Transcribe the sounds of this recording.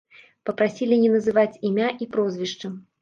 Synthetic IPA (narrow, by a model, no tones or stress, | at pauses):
pɐpɾasʲilʲinʲɛnɐzɨvat͡sʲimʲaʔipɾɔzʲvʲiʂt͡ʂɨm